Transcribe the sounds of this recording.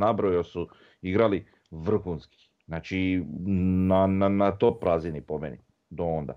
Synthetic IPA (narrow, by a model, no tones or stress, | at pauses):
nabɾojosu | iɡɾali | ʋr̩xuːnski̥ | znat͡ʃi | nananat̪opɾazinipomḛnḭ | d̪oond̪a̰